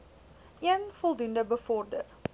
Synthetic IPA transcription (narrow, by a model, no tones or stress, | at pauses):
ʔiənfɔlˠdundəbəfɔrdər